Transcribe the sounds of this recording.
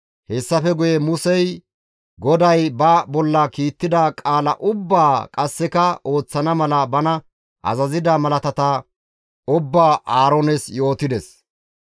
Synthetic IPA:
hɛsːɐfɛɡʊjɛmʊsɛj | ɡɔd̪ɐjbɐbɔlːɐkiːt̪ːɪd̪ɐkʼaːlɐ̰ʔʊbːaːkʼɐsːɛkɐo̞ːt͡sːɐnɐmɐlɐbɐnɐ | ʔɐ̰zɐzɪd̪ɐmɐlɐt̪ɐt̪ɐ | ʊbːaːʔaːɾɔnɛsjo̞ːt̪ɪd̪ɛs

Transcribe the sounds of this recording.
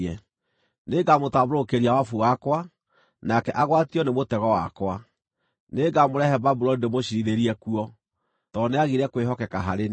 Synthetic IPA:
ɛ | neɡamotaβɾokeɾiawafuwakwa | nakɛʔaɣwatiɔnemotɛɣɔwa̰kwa | neɡamoɾɛhɛbabuɾɔidemoɕiɾiɾeɾiɛkuɔ | tɔneaɣiɾɛkweɦɔkɛkaɦaɾen

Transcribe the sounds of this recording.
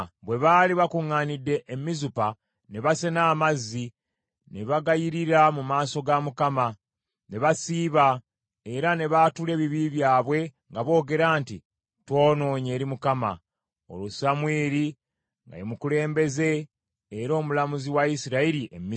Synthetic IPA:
βwe̞βaːliβakuŋːanidːe̞ʔːmːizupa | ne̞βasenaːmazːi | ne̞βaɡajiɾiɾamumaːso̞ɡamukama | ne̞βasiːβa | e̞ɾane̞βatule̞ːβiβiβjaːβwe̞ŋɡaβo̞ːɡe̞ɾaːnti | twoːno̞ːɲe̞ːɾimukama̰ | o̞̰lusamweːɾi | ŋɡa̰jimukule̞ːmbe̞ze̞ː | ɾo̞ːmulamuziwaisiɾaiɾiʔemːi

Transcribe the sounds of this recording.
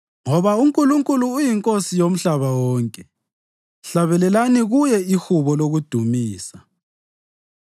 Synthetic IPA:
ŋɔβauŋkʼuluŋkʼuluːjiŋkʼosijom̩ɬaβawɔːŋkʼɛ | ɬaβɛlɛlaniɣujɛixuβɔloɣud̥ʱumiːsa

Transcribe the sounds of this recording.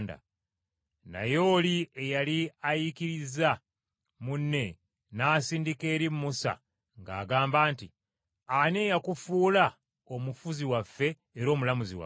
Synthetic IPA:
nda̰ | na̰jo̞ːliejaliajikiɾiza | munːe̞ | naːsiːndike̞ːɾimmusa̰ | ŋɡa̰ːɡaːmbaːnti | aneːjakufuːla | o̞mufuziwafːe̞ː | ɾo̞ːmulamuziwa̰

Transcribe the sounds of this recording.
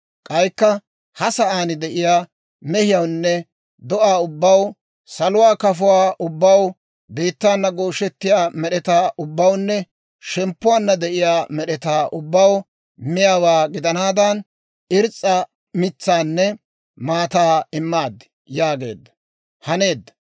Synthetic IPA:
kʼɐjkːɐ | hɐsɐʔaːnɪd̪ɛʔɪjaː | mɛhɪjɐwnːɛ | d̪ɔʔaːʊbːɐw | sɐlʊwaːkɐfʊwaːʔʊbːɐw | biːt̪ːaːnːɐɡoːʃɛt̪ːɪjaːmɛɗɛt̪aːʔʊbːɐwnːɛ | ʃɛmpːʊwaːnːɐd̪ɛʔɪjaːmɛɗɛt̪aːʔʊbːɐw | mɪjaːwaːɡɪd̪ɐnaːd̪ɐn | ɪɾt͡sʼːɐ | mɪt͡sːaːnːɛ | maːt̪aːɪmːaːd̪ːɪ̥ | jaːɡe̞ːd̪ːɐ | hɐneːd̪ːɐ̥

